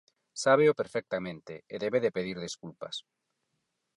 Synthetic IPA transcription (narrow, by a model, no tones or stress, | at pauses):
saβ̞eʊpeɾfɛk̚t̪amẽnt̪eeðeβeðepeðiɾðeskulpas